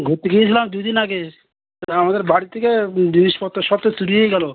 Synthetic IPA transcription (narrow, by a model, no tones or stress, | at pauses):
ɡʱoɾt̪ːeɡijet͡ɕʰilamd̪ujd̪inaɡe | amad̪eɾbaɽit̪ʰːeked͡ʑiniʃpɔt̪ːoʃɔb̚t̪et͡ɕuɾiɦojɡɛlo